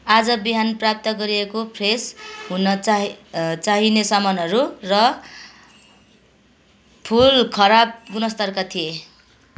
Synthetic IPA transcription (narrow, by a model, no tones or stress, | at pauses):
ad͡zʌbiɦanprap̚t̪ʌɡʌɾiekopʰresɦunʌ | t͡saɦinesʌmʌnʌɾurʌ | pʰulkʰʌɾap̚ɡunʌst̪ʌrkat̪ʰije